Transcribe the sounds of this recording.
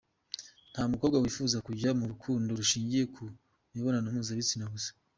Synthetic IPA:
n̥hamukoβɡawiːfuːzakuɟamuɾukʰuːndoɾuʃiːɲɟije̞kʰu | niβo̞nanumuːzaβit͡sinaβusḁ

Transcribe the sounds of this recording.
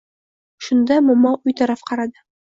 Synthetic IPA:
ʃund̪ɑmomɑʉjt̪ɒɾɑfqɑɾɑd̪ɤ

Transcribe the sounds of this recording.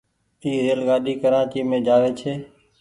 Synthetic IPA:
iːɾeːlɡaːɗiːkəɾaːt͡ʃiːmẽːd͡ʒaːʋeːt͡ʃʰeː

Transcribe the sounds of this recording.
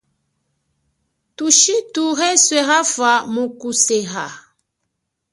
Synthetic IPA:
tuʃituɣɛswɛɣafamukuseɣa

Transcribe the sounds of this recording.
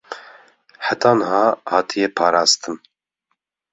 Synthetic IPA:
ħat̪ʰɑːnɦɑːhɑːt̪ʰijɛpʰɑːɾɑːst̪ɨm

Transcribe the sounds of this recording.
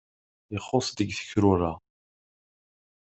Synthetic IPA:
əχːosˤd̪əɡθə̥çɾʊɾˤa

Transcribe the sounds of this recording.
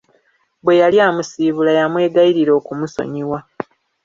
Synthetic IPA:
bwe̞jaljaːmusiːβulajamwe̞ːɡaiɾiɾo̞ːkumuso̞̰ɲiwa

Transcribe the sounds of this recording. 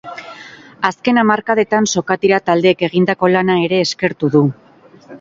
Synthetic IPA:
aske̞namaɾkaðe̞t̪anso̞kat̪iɾat̪ald̪e̞ːke̞ɣind̪ako̞lanae̞ɾe̞ːske̞ɾt̪uðu

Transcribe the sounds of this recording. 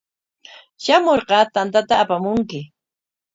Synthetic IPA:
ʃamoɾɢɑt̪ant̪at̪aːpamʊŋkɪ

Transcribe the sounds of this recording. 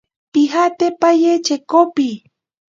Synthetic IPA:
pixat̪epajet͡ʃekopi

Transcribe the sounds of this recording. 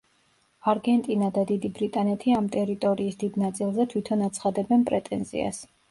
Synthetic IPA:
aɾɡɛnt̪ʼinad̪ad̪id̪ibɾit̪ʼanɛt̪ʰiamt̪ʼɛɾit̪ʼɔɾiːsd̪id̪nat̪sʼilˠzɛt̪ʰwit̪ʰɔnat̪sʰχad̪ɛbɛnpʼɾɛt̪ʼɛ̰nzḭa̰s

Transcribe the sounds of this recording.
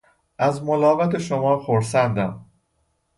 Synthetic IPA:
ʔæzmolɒːvæt̪ʰeʃomɒːxoɾsænd̪æm

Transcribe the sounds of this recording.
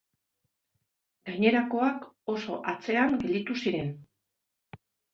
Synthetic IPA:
ɡajɲe̞ɾako̞ako̞so̞̰ʔat͡se̞aŋɡe̞ld̪it̪usiɾe̞n

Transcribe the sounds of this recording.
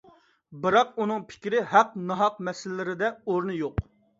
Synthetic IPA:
bɨɾɑq̚unɨŋpʰɪ̥kʲɾɪɦæqnɑɦɑq̚mɛsɪlɪːɪɾɪd̪ɛoɾnɨjoq

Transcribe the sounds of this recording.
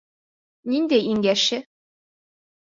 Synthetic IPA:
nind̪æjiŋɡæʃɘ

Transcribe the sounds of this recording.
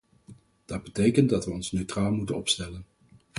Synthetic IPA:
d̥ɑd̚bətejkəndɑtʋəɔnsnøɥtraːlˠmutənɔpstɛlən

